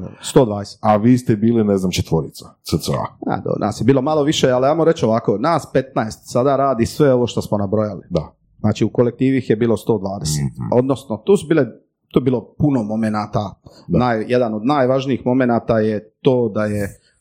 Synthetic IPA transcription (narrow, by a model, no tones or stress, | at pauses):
st̪o̞ːd̪ʋaːd̪ese̥t̪aʋiːst̪ebiːlineznamt͡ʃet̪ʋoɾit̪sḁsəsəa̰na̰d̪o̰nʔa̰ːsjebiːlo̞malo̞ʋiʃealiajmoɾet͡ʃoʋakonaːspe̞t̪naest̪sad̪aɾaːd̪isʋeo̞ʋo̞ʃt̪osmonabɾojalid̪a | znaːt͡ʃiukolek̚t̪iːʋixjebiːlˠo̞st̪o̞ːd̪ʋaːd̪eset̪o̞d̪nosnot̪oːsubiːle | t̪ojbiːlo̞puno̞mo̞menaːt̪ad̪najjed̪anod̪naːjʋaʒniixmo̞menaːt̪ajet̪oːd̪aje